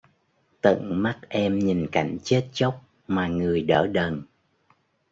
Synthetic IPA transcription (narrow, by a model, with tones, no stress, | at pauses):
t̪ə̰˧˨ŋma˦˥t̚ʔɛ˧mɲi˨˩nka˧˩jŋ̟t͡ɕe˦˥t̚t͡ɕə˦˥wk͡p̚ | maː˨˩ŋɨ˨˩əjɗəː˧˩ɗə˨˩n